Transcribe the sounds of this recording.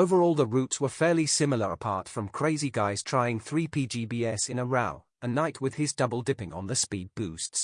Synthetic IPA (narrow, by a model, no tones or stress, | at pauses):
oʊvə˞ɔlˠðəɹʉtswə˞fɛɹlˠisɪ̃ml̩ˠə˞əpʰɑɹtfɹʌ̃mkʰɹ̥eɪziɡaɪz̥tʰɹ̥aɪɪ̃ŋθɹipʰid͡ʒibiɛsɨ̃nəɹaʊ | ənaɪt̚wɨð̥ɪzdʌbl̩ˠdɪpɪ̃ŋə̰̃nðɨspid̚b̥ʉsts